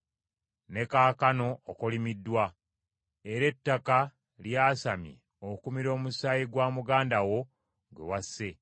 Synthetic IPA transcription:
ne̞kaːkano̞ːkolimidːwa | e̞ɾe̞tːaka | ljaːsamjḭ | okumiɾo̞ːmusaːjiɡwaːmuɡaːndawo̞ | ɡwe̞̰wasːe̞

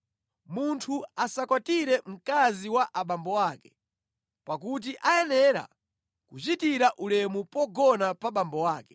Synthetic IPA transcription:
muntʰuasakwatiɾɛm̩kaziwaʔaɓambɔwaːkɛ̥ | pakut̬iʔajɛnɛɾa̰ | kut͡ʃitiɾaʔulɛmupɔɡɔnapaɓambɔwaːkɛ̥

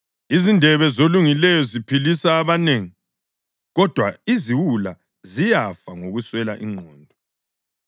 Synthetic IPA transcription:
izindʱɛβɛzoluŋilɛjɔzipʰilisaːβaneːŋi | ɣɔd̥ʱwaiziwula | zijafaŋoɣuswɛlaʔiŋ͡ǃʱɔːndʱɔ

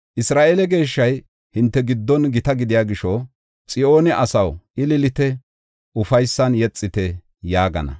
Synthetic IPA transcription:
ʔɪsɾaːʔelɛɡe̞ːʃːɐj | hɪnt̪ːɛɡɪd̪ːɔnɡɪt̪ɐɡɪd̪ɪjaːɡɪʃɔ | t͡sʼɪo̞ːnɛʔɐsɐwʔɪlɪlɪt̪ɛ | ʊfɐjsːɐnjɛt͡sʼːɪt̪ɛ | jaːɡɐ̰nɐ̰

